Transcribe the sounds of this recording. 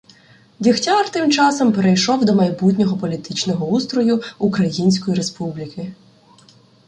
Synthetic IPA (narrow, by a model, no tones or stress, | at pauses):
dʲixtʲɑrt̪ɪmt͡ʃɑsɔmpeɾejʃɔwd̪ɔmɐjbut̪̬ʲnʲɔɦɔpɔlʲit̪ɪt͡ʃnɔɦɔust̪ɾɔjʊukɾɐjinʲsʲkɔjiɾespublʲikʰɪ